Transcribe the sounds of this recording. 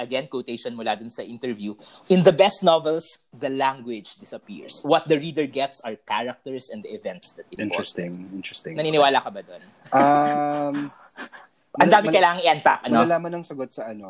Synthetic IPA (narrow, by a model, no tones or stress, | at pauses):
ʔɐɡɛnkwowt̪ejʃɔnmʊlad̪ʊnsɐʔɪnt̪ɛɹvjuʔɪnd̪ɐbɛst̪novɛlsd̪ɐlaŋɡwɪd͡ʒd̪ɪsɐpḭɹswɔt̪̚d̪ɐɹid̪ɛɹɡɛt̪sɐɹkaɹɐk̚t̪ɛɹsɛ̃nd̪ɐʔɪvɛ̃nt̪sd̪ɐt̪̚ɪnɛst̪ɪŋɪnɹɛst̪ɪŋnɐniːnɪwaːlɐkɐbad̪on | ʔa | m | ɐ̃nd̪aːmɪkɐjlaːŋɐŋʔɪʔɐ̃nt̪a̰ʔʔɐnolaːmɐnɐŋsɐɡot̪̚sɐʔɐno